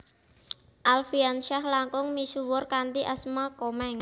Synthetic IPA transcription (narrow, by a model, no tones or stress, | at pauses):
ʔalfianʃahlaŋkʊŋmisuwʊrkant̪iʔasmakɔmaŋa